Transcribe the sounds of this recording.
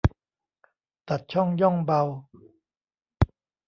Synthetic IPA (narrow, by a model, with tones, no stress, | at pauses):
t̪a˨˩t̪̚t͡ɕʰɔ˥˩ŋjɔ˥˩ŋba˧w